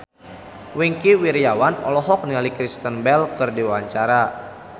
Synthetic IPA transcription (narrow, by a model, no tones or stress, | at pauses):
wiŋkiwiɾiawanɔ̰lɔɦɔk̚nialikɾist̪ənbɛlkɨrdiwaɲt͡ʃaɾa